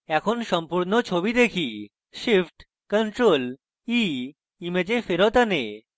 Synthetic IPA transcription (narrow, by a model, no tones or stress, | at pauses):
ɛkʰonʃɔmpuɾnot͡ɕʰobid̪ekʰi | ʃifʈ | kənʈɾol | i | imed͡ʑefeɾot̪ane